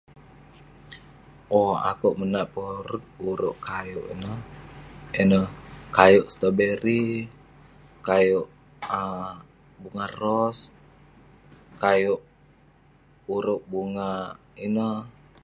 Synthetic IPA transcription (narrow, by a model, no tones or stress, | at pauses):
oa̰kuʔmənaʔpoɾʊt̪̚uɾʊʔkajoʔḭnə | inəhkajʊʔst̪əbeɾi | kajʊʔ | ə | buŋarɔs | kajʊʔ | uɾʊʔbuŋa | inə